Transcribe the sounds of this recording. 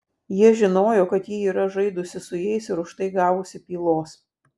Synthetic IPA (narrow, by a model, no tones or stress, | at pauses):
jiɛʒʲɪnoːjoːkɐt̪jiːiːɾɐʒɐɪd̪ʊsʲɪsʊjɛɪsɪɾʊʃt̪ɐɪɡɑːʋʊsʲɪpʲiːlˠoːs